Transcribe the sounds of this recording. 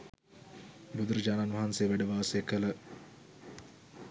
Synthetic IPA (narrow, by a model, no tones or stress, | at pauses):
bud̪uɾəd͡ʒaːnanʋɐɦansejːʋæɖəʋaːsəjkələ